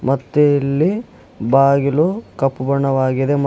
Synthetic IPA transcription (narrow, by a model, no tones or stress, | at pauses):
mɐt̪ːeilːi | baːɡilukɐpːubɐɳːɐʋaːɡid̪em